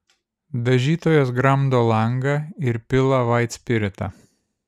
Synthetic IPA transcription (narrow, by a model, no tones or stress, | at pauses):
d̪ɐʒʲiːt̪oːjoːsɡɾɐmd̪oːlˠɐŋɡɐɪɾpʲɪlˠɐʋɐɪt̪ʲsʲpʲɪɾʲɪt̪ɐ̰